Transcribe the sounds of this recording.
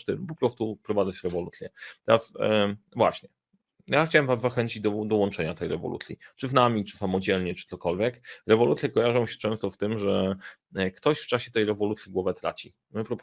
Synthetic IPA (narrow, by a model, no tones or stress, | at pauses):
t̪ɘmpɔpɾɔst̪upɾɔvad̪zat͡ɕɾɛvɔlṵt̪sʲjɛt̪ɛɾasvwa̰ɕɲɛ | jaxt͡ɕawɛmvazːaxɛɲt͡ɕid͡ʑd̪ɔd̪ɔwɔnt͡ʂɛɲat̪ɛjɾɛ̰vɔ̰lṵt̪sʲjit͡ʂɘvnamʲit͡ʂɘ̥samɔd͡ʑɛlɲɛt͡ʂɘt̪sɔkɔlvʲjɛkɾɛvɔlut̪sʲjɛkɔjaʐɔ̃w̃ɕɛ̥t͡ʂɛ̃w̃st̪ɔft̪ɘmʐɛ | kt̪ɔɕft͡ʂaɕɛt̪ɛjɾɛvɔlut̪sʲjiɡwɔvɛt̪ɾa̰t͡ɕi | mɘpɾɔp